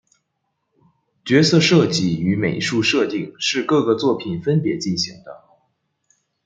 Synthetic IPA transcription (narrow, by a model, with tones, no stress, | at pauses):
t͡ɕɥɛ˧˥sɤ˥˧ʂɤ˥˧t͡ɕi˥˩y˧˥me˨˩ɪʂu˥˧ʂɤ˥˧t̪i˥˩ŋʂɻ̩˥˧kɤ˥˩ɡə˩t͡swɔ˥˩pʰi˨˩nfə˥npjɛ˧˥t͡ɕi˥˩nɕi˧˥ŋd̪ə˧